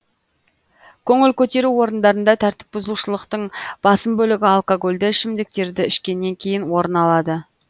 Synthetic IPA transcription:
kʲʰɵŋɪlkʲʰɵt̪e̞ɾuwo̞ɾənd̪ɑɾənd̪ɑt̪ʰæɾt̪ɪ̥p̚bʊzəlˠuʃəlˠəqt̪əɴb̥ɑsəmbɵlɪɡʲɪalˠkoɡo̞lʲd̪ɪʃɪmd̪ɪk̚t̪e̞ɾd̪ɪɪʃkʲe̞nːe̞ŋkʲʰe̞jɪnwo̞ɾənɑlˠɑd̪ə

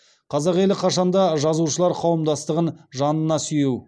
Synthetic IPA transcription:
qʰɑzɑqe̞lɪqʰɑʃɑnd̪ɑʒɑzuʃəlˠɑɾqʰɑwəmd̪ɑst̪əʁənʒɑnənɑsʏjuw

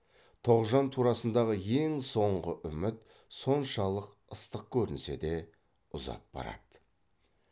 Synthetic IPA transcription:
t̪ʰo̞ʁʒɑnt̪ʰuɾɑsənd̪ɑʁəje̞ŋso̞ɴʁəʔʏmɪt̪ | so̞nʃɑlˠəq | əst̪əq̚kʲʰɵɾɪnse̞̰d̪e̞ | ʊzɑ̰p̚bɑ̰ɾɑ̰d̪̥ə

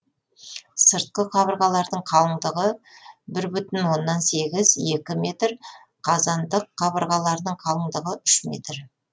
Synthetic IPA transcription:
səɾt̪̚qəqʰɑβəɾʁɑlˠɑɾd̪əɴqʰɑlˠəɴd̪əʁəbɪɾbʏt̪ɪnwo̞nːɑnse̞ɡʲɪzje̞kʲɪme̞t̪ɾ | qʰɑzɑnd̪əqʰːɑbəɾʁɑlˠɑɾd̪əɴqʰɑlˠəɴd̪əʁəʏʃme̞̰t̪ɾ

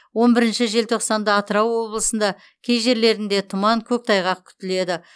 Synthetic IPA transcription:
wo̞nbɪɾɪnʃɪʒe̞lt̪ʰo̞qsɑnd̪əːt̪əɾɑwwo̞blˠəsənd̪ɑ | kʲʰe̞jʒe̞ɾle̞ɾɪnd̪e̞t̪ʰʊmɑŋkʲʰɵk̚t̪ʰɑjʁɑq̚kʲʰʏ̥t̪ɪle̞d̪ɪ

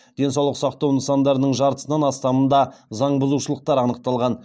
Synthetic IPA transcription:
d̪̥e̞nsɑwlˠəqsɑqt̪ɑwənəsɑnd̪ɑɾənəɴʒɑɾt̪ə̥sənɑnɑst̪ɑmənd̪ɑzɑɴbʊzuʃəlˠəq̚t̪ɑɾɑnəq̚t̪ɑlˠʁɑn

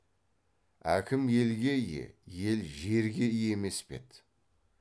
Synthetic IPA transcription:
æ̰kʲʰɪmje̞lɡʲe̞ijḛje̞lʒe̞ɾɡʲe̞ijeme̞spe̞̰t̪

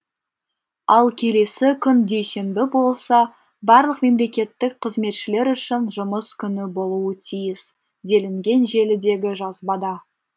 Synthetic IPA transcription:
ɑlˠkʲʰe̞le̞sɪkʲʰʏnd̪e̞jse̞nbɪbo̞lˠsɑ | bɑɾlˠəqme̞mle̞kʲe̞t̪ːɪk̚qʰəzme̞t̪ʃɪle̞ɾʏʃɪnʒʊməskʲʰʏnɪbo̞lˠuət̪ʰijɪs | d̪e̞lɪŋɡʲe̞nʒe̞lɪd̪e̞ɡʲɪʒɑzbɑd̪ɑ

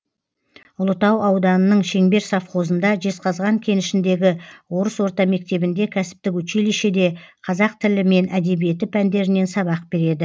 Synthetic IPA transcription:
ʊlˠət̪ɑwɑwd̪ɑnənəɴʃe̞ŋbe̞ɾsɑfχo̞zənd̪ɑʒe̞sqɑzʁɑŋkʲʰe̞nɪʃɪnd̪e̞ɡʲɪwo̞ɾəswo̞ɾt̪ɑme̞k̚t̪e̞bɪnd̪e̞kʲʰæsɪ̥p̚t̪ɪkɵt͡ʃeliʃed̪e̞qʰɑzɑq̚t̪ʰɪlɪme̞nʔæd̪e̞bije̞t̪ɪpʰænd̪e̞ɾɪne̞nsɑβɑq̚b̥e̞ɾe̞d̪ɪ

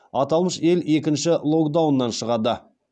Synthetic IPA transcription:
ɑt̪ɑlˠməʃe̞le̞k̬ʲɪnʃɪlˠo̞kd̪awnːɑnʃəʁɑd̪ə

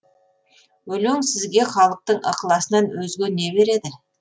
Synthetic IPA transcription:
wɵleŋsɪzɡʲe̞χɑlˠəq̚t̪əɴʔə̰qəlˠɑsənɑnwɵzɡʲenːe̞be̞ɾe̞d̪ɪ

